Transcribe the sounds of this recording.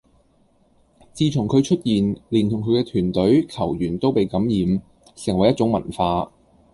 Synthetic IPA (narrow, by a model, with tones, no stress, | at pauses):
t͡siː˧t͡ʃʰʊ˨˩ŋkʰɵ˨˧ɥt͡ʃʰɵ˥t̚jiː˨nliː˨˩nt̪ʰʊ˨˩ŋkʰɵ˨˧ɥkɛː˧t̪ʰyː˨˩nt̪ɵ˨˥ɥkʰɐ˨˩wjyː˨˩nt̪o˥wpe˨jkɐ˨˥mjiː˨˧m | sɪ˨˩ŋwɐ˨˩jːɐ˥t̚t͡sʊ˨˥ŋmɐ̰˨˩nfaː˧